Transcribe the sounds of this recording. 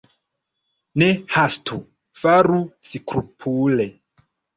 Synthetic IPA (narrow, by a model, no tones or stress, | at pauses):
nehastʰu | faɾusikɾupʰule